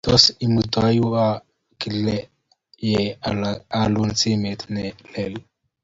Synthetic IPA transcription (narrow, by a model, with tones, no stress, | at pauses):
t̪o˦si˨mud̪a˦ju˦a | ki˨lɛ | jɛ˨ | a˨lu˦nt͡si˦me˨t̪nɛ˨lɛ˨l